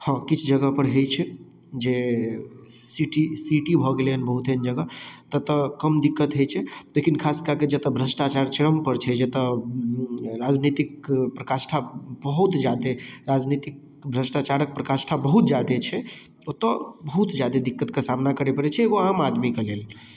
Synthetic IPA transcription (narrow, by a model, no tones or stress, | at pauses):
hə̃kit͡ʃʰd͡ʒəɡəpəɾɦejt͡ʃʰɛ | d͡ʒe | siʈisiʈibʱɔɡeleənbəɦut̪ɦend͡ʒəɡət̪ət̪əkəmd̪ikːət̪ɦejt͡ʃʰɛlekʰinkʰaskaked͡ʒet̪əbʱɾəsʈat͡ʃaɾt͡ʃɾəmpəɾt͡ʃʰɛd͡ʒet̪ə | ɾad͡ʒnit̪ikpɾəkasʈʰabəɦut̪d͡ʒad̪eɾad͡ʒnit̪ik̚ | bʱɾəsʈat͡ʃaɾək̚pɾəkasʈʰabəɦut̪d͡ʒjad̪et͡ʃʰɛ | ot̪əbəɦut̪d͡ʒjad̪ed̪ikːət̪kesamnakəɾepəɾɛt͡ʃʰɛːɡoamad̪mikelel